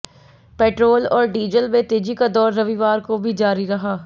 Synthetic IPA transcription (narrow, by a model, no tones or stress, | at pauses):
pɛːʈɾoːlɔːɾɖiːd͡ʒəlʋẽt̪eːd͡ʒikad̪ɔːɾːɐʋiʋaːɾkobʱid͡ʒaːɾiɾɐɦaː